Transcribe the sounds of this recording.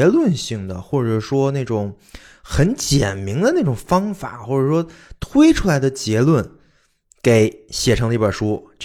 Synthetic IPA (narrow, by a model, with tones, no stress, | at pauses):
lwə˥˧nɕi˥˩ŋd̪ə˩xwɔ˥˩ʈ͡ʂɤ˨˩ʂwɔ˥na˥˩ɪʈ͡ʂʊ˨˩˦ŋ | xə˧˥nt͡ɕjɛ˨˩nmi˧˥ŋd̪ə˧na˥˩ʈ͡ʂʊ˨˩ŋfɑ˥ŋfa̰˨˩˦xwɔ˥˩ʈ͡ʂɤ˨˩ʂwɔ˥ | t̪ʰwe˥ɪʈ͡ʂʰu˥la˧˥ɪd̪ə˧t͡ɕjɛ˧˥lwə˥˩n | ke˧˩˥ɪɕjɛ˨˩ʈ͡ʂʰɤ˧˥ŋlə˧i˥˩jə˞˨˩ʂu˥